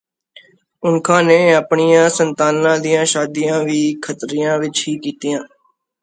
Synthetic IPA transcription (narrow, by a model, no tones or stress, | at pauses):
ʊnkʰãːneːaːpɳɪjãːsənt̪aːnːãːd̪ɪjãːʃaːd̪ijãːʋiːkʰət̪ɾijãːʋɪt͡ʃɦiːkiːt̪ijãː